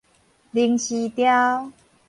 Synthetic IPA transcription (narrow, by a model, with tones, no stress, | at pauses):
li˧ŋɕi˧t̪ja˦w